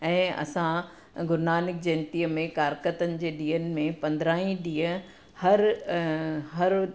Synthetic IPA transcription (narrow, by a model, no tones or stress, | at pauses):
ɛ̃ːɐ̰sã | ɡʊɾnaːnɪk̚d͡ʑɐ̃nt̪iːəmẽkaːɾkət̪ənɪ̆d͡ʑeːɗiːɦənɪ̆mẽpɐ̃nd̪ɾaːĩɗiːə | hɐɾ | ɦɐɾ